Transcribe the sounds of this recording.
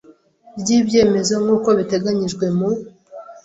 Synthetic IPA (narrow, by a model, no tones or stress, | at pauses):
bɟiːbje̞ːme̞zo̞ŋɡuːko̞βite̞ɡaɲiʒɡwe̞mu